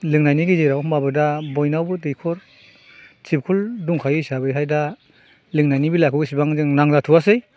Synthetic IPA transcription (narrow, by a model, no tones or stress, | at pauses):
lɯŋnajniɡizejɾawmbabɯdabɔjnawbɯdɯjkʰɔɾ | t͡ʃʰip̚kʰulduŋkʰajisabɯjɦajda | lɯŋnajnibilakʰɔɡisibaŋzɯŋnaŋzatʰuwasɯj